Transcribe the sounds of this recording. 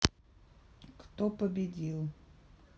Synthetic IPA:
kt̪opəbʲɪdʲilˠ

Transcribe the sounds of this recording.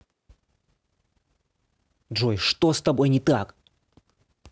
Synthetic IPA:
dʐojʂt̪ost̪ɐbojnʲɪt̪ak

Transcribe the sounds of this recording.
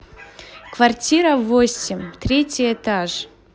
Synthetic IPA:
kvartʲiɾəvosʲɪmʲt̪ɾʲetʲɪjɛt̪aʐ

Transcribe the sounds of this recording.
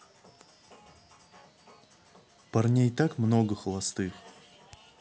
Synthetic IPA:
pɐrnʲejt̪akmnoɡəxəlˠɐst̪ɨx

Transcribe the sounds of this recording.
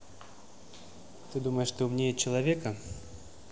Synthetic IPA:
t̪ɨd̪umɐjɛʂʂt̪ɔumnʲejɛt͡ɕɐlˠavʲɛkɐ

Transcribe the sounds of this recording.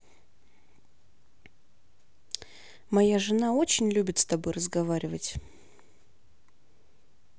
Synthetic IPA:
mɐjaʐɨnao̞t͡ɕɪnʲlʲubʲɪt̪st̪ɐbo̞jrəzɡɐvaɾʲɪvətʲ

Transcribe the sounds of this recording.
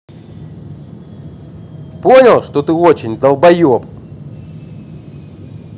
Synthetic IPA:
ponʲəlˠʂt̪ot̪ɨot͡ɕɪnʲd̪ɐlˠbɐjop

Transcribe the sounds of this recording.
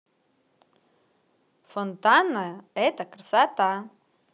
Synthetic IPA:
font̪anːɐɛt̪ɐkɾɨsat̪a

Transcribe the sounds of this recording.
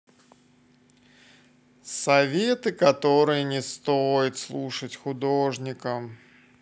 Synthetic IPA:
sɐvʲet̪ɨkɐt̪o̞ɾɨjənʲɪst̪ojɪt̪slˠuʂətʲxʊd̪oʐnʲɪkəm

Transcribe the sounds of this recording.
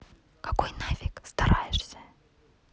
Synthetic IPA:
kḁkojnavʲɪkst̪aɾajɪʂsʲə̥

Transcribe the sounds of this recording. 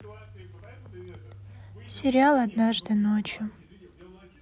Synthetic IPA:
sʲeɾʲialˠad̪naʐd̪ɨnot͡ʃʰju

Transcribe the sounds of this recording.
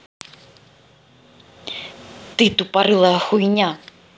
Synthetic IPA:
t̪ɨt̪upaɾɨlˠɐjɐxujnʲa

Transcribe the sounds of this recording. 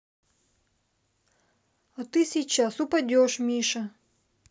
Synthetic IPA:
ɐt̪ɨsʲit͡ɕasʊpɐdʲoʂmʲiʂɐ

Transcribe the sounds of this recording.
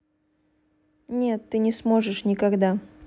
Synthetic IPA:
nʲe̞t̪ːɨnʲɪsmo̞ʐɨʂnʲɪkɐɡd̪a

